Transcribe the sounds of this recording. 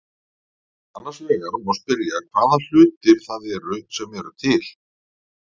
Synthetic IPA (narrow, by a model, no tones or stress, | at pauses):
anːaɾ̥svɛːɣaɾmɔspɪɾjakʰv̥aːðal̥ʏːt̪ɪɾ̥θaðɛɾʏsɛmɛɾʏ̰t̪ʰɪl